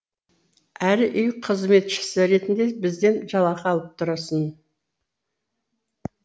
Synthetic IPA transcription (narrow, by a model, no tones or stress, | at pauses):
æɾʔʏjqʰəzme̞t̪ʃɪ̥sɪɾe̞t̪ɪnd̪e̞bɪzd̪e̞nʒɑlˠɑqɑlˠəp̚t̪ʰʊɾɑsən